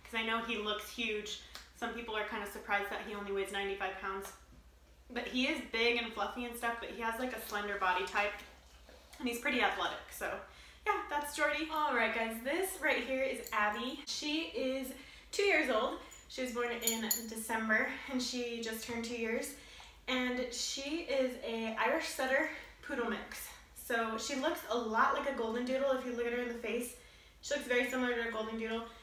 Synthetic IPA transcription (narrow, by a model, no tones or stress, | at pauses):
kʰʌzaɪnoʊilʊkshjʉd̥ʒ̥sʌ̃mpipl̩ˠə˞kʰãɪ̃ndɨsə˞pʰɹ̥aɪzd̪̚ðɨt̚ɦiõʊ̃nliwɪdznãɪ̃ntifaɪv̥pʰãʊ̃ndz̥ | b̥ʌt̚hiɪzbɪɡɨ̃nflʌfiɨ̃nstʌfb̥ʌt̚hiəzlaɪkɨslɛ̃ndə˞bɑɾitʰaɪp̚ | ɨ̃nhiz̥pʰɹ̥ɪɾiæθlɛɾɪ̰ksoʊ | jæðætsd̥ʒ̥ɔɹɾiɔlˠɹaɪt̚ɡ̥aɪzðɪsɹaɪt̚ɦiɹɪzæbiʃiɪz̥ | tʰʉjɪɹzoʊlˠd̥̚ | ʃiɨzbɔ̃ɹnɪ̃ndɨsɛ̃mbə˞ɨ̃nʃid͡ʒʌstʰɜ̃˞ntʰʉjɪɹz | ɨ̃nʃiɪzɨaɪɹɨʃsɛɾə˞pʰʉɾl̩ˠmɪʊks | soʊʃilʊksəlɔʔlaɪkɨɡoʊlˠd̃ⁿn̩dʉɾl̩ˠəfjɨlʊkɨt̚hə˞ɨ̃nðɨfeɪs | ʃilʊksvɛɹisɪ̃ml̩ˠə˞ɨɨɡoʊlˠdⁿn̩dʉɾl̩ˠ